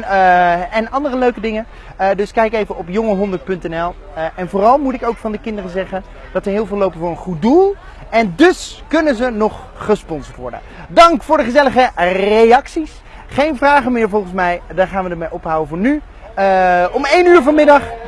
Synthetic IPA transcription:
ɛnɑndərəløɥkədɪŋə | dɵskɛjkejvəʔɔpjɔŋəɦɔndəɹt̚pɵntɛnɛlˠ | ʔɛnvʊːrɑlˠmutɪkowkfɑndəkɪndərəzɛχən | d̥ɑtʋəɹɦɪːlˠvɪlːowpəvʊɹənχut̚dulˠ | ɛndɵskɵnənzənɔχː | əspɔnzəɹtʋɔ̰ɹdə̰n | dɑŋkfʊːɹdəχəzɛləχərejɑksis | χejnvraːχəmɪːɹvɔlˠχənsmɛjdaːɹχaːnʋədəɹmejʔɔpɦawəvʊːɹny | ɔmejnyːɹvɑnmɪdɑχ

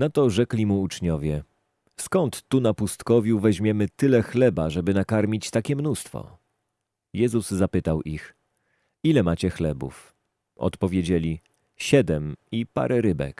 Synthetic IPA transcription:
nat̪ɔʐɛklʲimuut͡ʂɲɔvʲjɛ | skɔnt̪ːunapust̪kɔvʲjuvɛʑmʲjɛmɘt̪ɘlɛxlɛbaʐɛbɘnakaɾmʲit͡ɕt̪akʲɛmnust̪fɔ̰ | jɛzuzːapɘt̪awʔix | ilɛmat͡ɕɛxlɛbṵf | ɔ̰t̪pɔvʲjed͡ʑelʲi | ɕɛd̪ɛmipa̰ɾʔɛɾɘbɛ̰k

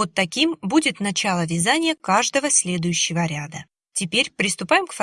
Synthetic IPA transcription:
ot̪ːɐkʲimbudʲɪt̪nɐt͡ɕalˠəvʲɪzanʲɪjəkaʐd̪əvəsʲlʲe̞d̪ʊjʉɕːɪvəɾʲad̪ə | tʲɪpʲeɾʲpɾʲɪst̪ʊpajɪmkfɐ

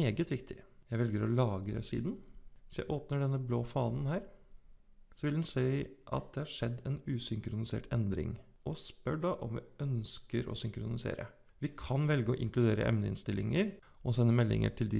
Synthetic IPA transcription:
eːɡət̪ʋɪkt̪ʰɪjæɪʋɛlɡəɾɔlɑːɡəɾɛ̰sḭːd̪nʋɪsjæɪʔoːpnəɖɛnːəbloːfɑːnn̩ɦæːɾ | sɔʋɪld̪nsæɪʔɑ̰t̪̚d̪ɛhɑʂɛd̪ːɛnʉːsʏŋkɾʊnɪsḛːʈʰɛnd̪ɾɪ̰ŋ | ʔɔspœɖɑʔɔmʋɪ̰œnskəɾʔɔ̰sʏŋkɾʊnɪsḛːɾə̰ | ʋɪkʰɑnʋɛlɡəɔʔɪŋklʉd̪eːɾə̰ʔɛ̰mnəɪ̰nst̪ɪlːɪŋəɾ | ɔsɛnːəmɛlːɪ̰ŋə̰ʈʰɪld̪ɪ

